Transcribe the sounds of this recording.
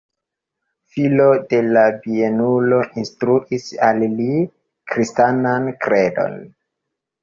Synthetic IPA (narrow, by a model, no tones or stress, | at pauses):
filode̞labienulo̞ʔinstɾuʔisalli | kɾistanankɾe̞do̰n